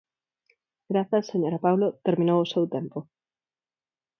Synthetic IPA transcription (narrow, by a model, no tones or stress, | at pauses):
ɡɾaθaseɲoɾapawlot̪eɾmĩnowʊsewt̪empʊ